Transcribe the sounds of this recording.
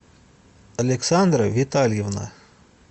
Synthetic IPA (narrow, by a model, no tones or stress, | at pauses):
ɐlʲeksand̪ɾavʲit̪alʲjevna̰